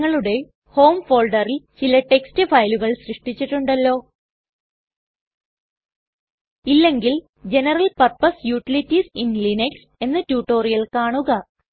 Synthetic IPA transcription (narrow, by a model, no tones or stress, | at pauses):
ŋːɐɭuɽe̞ | ho̞ːmfo̞ːɭɖɐrilt͡ɕilɐʈe̞kstɨfɐjluɣɐɭɕrɨʂʈit͡ɕːiʈːuɳɖɐlːo̞ː | ilːe̞ŋɡil | d͡ʑe̞nɐrɐlpɐrpɐsjuːʈilitːisinlineks | e̞nːɨtuːʈːo̞ːrijɐlkaːɳuɣɐ